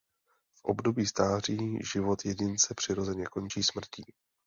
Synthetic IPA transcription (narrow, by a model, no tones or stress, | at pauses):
fʔo̰bdo̞biːst̪aːr̝iːʒɪvo̞t̪jɛɟɪnt͡sɛpr̥ɪɾo̞zɛɲɛko̞nt͡ʃiːsmr̩ciː